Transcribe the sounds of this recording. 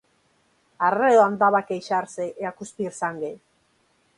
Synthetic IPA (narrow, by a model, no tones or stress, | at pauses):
areðoand̪aβakeiʃaɾseeakuspirsaŋɡej